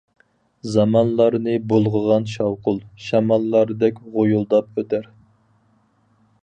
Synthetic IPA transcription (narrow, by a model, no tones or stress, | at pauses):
zɑmɑnlˠɑɾnɨbolˠʁəʁɑnʃɑwqʊlˠʃɑmɑlˠːɑɾd̪ɛkʲʁojulˠd̪ɑp̚øt̪ʰæɾ